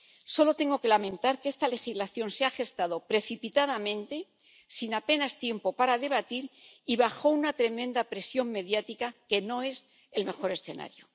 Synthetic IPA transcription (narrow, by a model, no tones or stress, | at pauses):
so̞lo̞t̪e̞ŋɡo̞ke̞lamẽ̞nt̪aɾke̞st̪ale̞xizlaθjo̞nseaxe̞st̪að̞o̞pɾe̞θipit̪að̞amẽ̞nt̪e | sinape̞nast̪je̞mpo̞paɾaðe̞β̞at̪iɾiβaxo̞unat̪ɾe̞mẽ̞nd̪apɾe̞sjo̞ŋme̞ðjat̪ikake̞no̞e̞s | e̞lme̞xo̞ɾesθe̞na̰ɾjo